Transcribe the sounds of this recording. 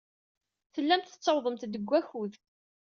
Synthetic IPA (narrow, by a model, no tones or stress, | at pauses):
θəlːæmt̪ə̥t͡sːəwðˤəmt̪d̪əɡʷːæçuð